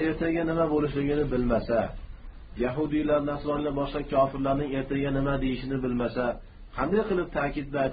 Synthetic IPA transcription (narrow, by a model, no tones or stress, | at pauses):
e̞ɾt̪ʰaɡʲanɪmabolɪʃlɪɡʲɪnɪbɪlmasa | jaɦʊd̪ijlaɾnasvɒɾlʲabɒʃqɑkʲʰɒfɪɾlaɾnɪŋe̞ɾt̪ʰaɡʲanɪmad̪e̞jɪʃɪnɪbɪlmasa | qʰɑnd̪ajqʰɨlˠɪp̚t̪ʰaːkʲɪd̪̚ba